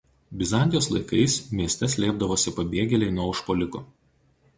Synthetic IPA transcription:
bʲɪzɑnʲd̪ʲɪjoːslˠɐɪkɐɪsmʲiɛsʲt̪ʲɛsʲlʲeːb̚d̪ɐʋoːsʲɪpɐbʲeːɡʲɛlʲɛɪnuɔʊʃpoːlʲɪkoː

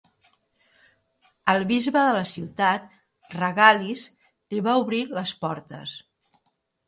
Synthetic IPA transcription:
əlˠβizβəðələsiwt̪at̪̚ | rəɣaliz | liβauβɾiləspɔɾt̪ə̰s

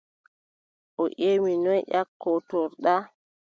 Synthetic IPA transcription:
ʔɔʔeːminɔjʔakːɔtɔɾɗa

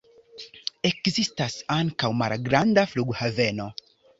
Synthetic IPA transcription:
ekzistasaŋkawma̰ɾɡɾand̪afluɡhaveno

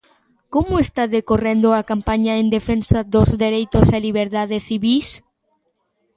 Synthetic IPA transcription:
komʊest̪aðekorend̪ʊakampaɲaend̪efensaðozðeɾejt̪ʊseliβeɾðaðesθiβis

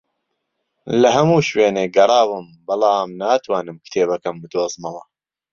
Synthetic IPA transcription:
lɐɦɐmuːʃweːneːɡɐɾˤɑːwɨm | bɑlˠɑːmnaːt̪ʰwaːnɨmkɨ̥t̪ʰeːbɐkɐmbɨd̪oːzmɐwɐ

